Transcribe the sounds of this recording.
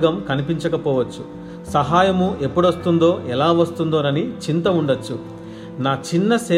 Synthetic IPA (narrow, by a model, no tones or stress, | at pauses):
ɡɐmkɐnipiɲt͡ʃɐkɐpɔːʋɐt͡ʃːu | sɐɦaːjɐmuʔe̞pːuɽɐst̪und̪o̞ːʔɛlaːʋɐst̪und̪oːnɐnit͡ʃint̪ɐuɳɖɐt͡ʃːu | naːt͡ʃinːɐsɛː